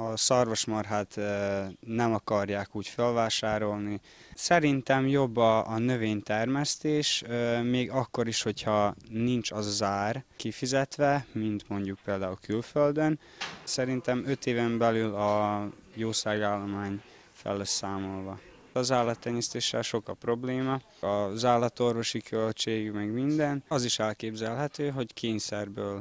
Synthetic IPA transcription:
ɒsɒrvo̞ʃmɒrɦaːt̪ | nɛmɒkɒrjaːkuːcfølvaːʃaːɾo̞lni | sɛɾint̪ɛmjo̞bːɒːnø̞veːɲt̪ɛrmɛst̪eːʃmeːɡɒkːo̞ɾiʃho̞chɒnint͡ʃɒzaːrkifizɛt̪ʋɛmint̪mo̞ɲɟuk̚peːld̪aːulkylføld̪øn | sɛɾint̪ɛmø̞t̪eːvɛmbɛlylɒjoːsaːɡaːlːo̞maːɲ | fɛ̰lːɛssaːmo̞lvɒ | ɒzaːrlɒt̪ːɛɲːɛst̪eːʃːɛ̰lʃo̞kɒpro̞bleːmɒ | ɒzaːrlɒt̪o̞rvo̞ʃikʰølt͡ʃeːɡmɛɡmind̪ɛnɒziʃɛlkeːbzɛlɦɛt̪øːɦo̞ckʰeːɲsɛrbøːl

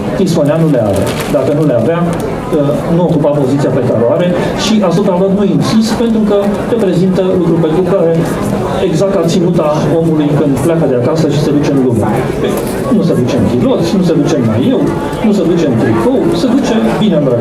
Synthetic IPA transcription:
t̪ismoneanule̞a̰vea̰ | d̪akənule̞ava | ə | nuo̞kupapo̞zit̪siape̞t̪aɾoaɾe̞ | ʃiʔast̪ot̪ad̪ət̪nuinsist̪pe̞nt̪ɾukəɾe̞pɾe̞zint̪əlukɾupe̞nt̪ɾukaɾe̞ | eɡzak̚t̪at̪sinut̪a | o̞mulujkɨnd̪plakəd̪eakasəʃised̪ut͡ʃe̞mluma̰ | pe | nused̪ut͡ʃempilo̞t̪sʲnused̪ut͡ʃe̞mla̰jew | nusəd̪ut͡ʃe̞mt̪ɾikowsed̪ut͡ʃe̞binenɾe

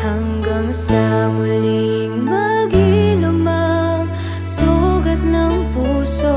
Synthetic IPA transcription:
hɐŋɡaŋsɐmʊlɪ | ŋmɐɡɪlʊmaŋ | suɡɐt̪̚nɐŋpuso

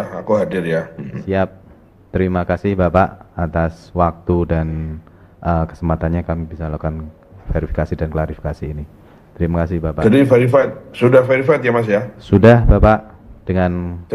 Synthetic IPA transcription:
ahakuɦadɪrjasiap̚ | t̪əɾimakasɪhbapaʔat̪aswak̚t̪udan | ʔəkə̥səmpat̪anɲakamibisalakan | feɾifikasidanklaɾifi̥kasiːni | t̪əɾimakasɪhbapad͡ʒadifeɾifat̪̚sudahfeɾifaɪt̪jamas̬jasudahbapaʔ | d̥əŋan

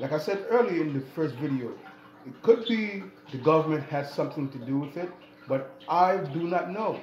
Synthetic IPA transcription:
laɪkaɪsɛdɜ˞liɪ̃nðɨfɜ˞stvɪɾioʊ | ɪt̚kʰʊd̚biðɨɡʌvə˞mɨ̃nt̚hæd̥sʌ̃mθɪ̃ŋtɨduwɪðɪt̚ | bʌɾaɪdunətⁿnoʊ

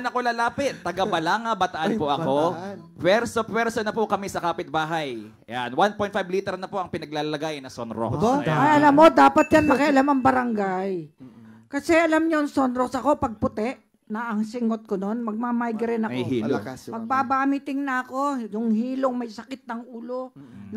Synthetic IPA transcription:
nɐkolɐlaːpɪt̪ːɐɡɐbɐlaːŋɐbɐt̪ɐʔanpoʔɐko | pɛɾsopɛɾsonɐpokɐmɛsɐkaːpɪt̪̚baːɦaj | janwanpo̞jnfajbliːt̪ɛɾnɐpoʔɐŋpɪnɐɡ̚laːlɐlɐɡaːjɪnːɐsonɾo̰kɐjɐlamːo̞d̪aːpɐt̪̚janmɐkɛʔɐlamɐŋbɐɾɐŋɡaj | kɐsɛʔɐlamɲoŋsonɾoksɐko̞pɐɡ̚pʊt̪ɛʔ | nɐʔɐŋsɪŋot̪̚kono̞nmɐɡ̚maːmajɡɾɪnɐihiːlomɐɡ̚babaːmɪt̪ɪŋnɐɐko̞jʊŋhiːloŋmɐjsɐkɪt̪̚nɐŋʔuːlo | n

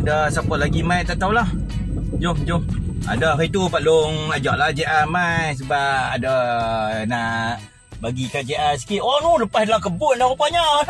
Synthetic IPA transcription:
adəsapəlaɡimajt̪aʔt̪aulah | d͡ʒohd͡ʒʊh | a̰dəarit̪upalʊŋad͡ʒaʔlad͡ʒeʔamajs̬əbaadə | naʔ | baɡikad͡ʒeʔas̬i̥kiʔonuləpasdalakəbʊʔ̚nakəpaɲa

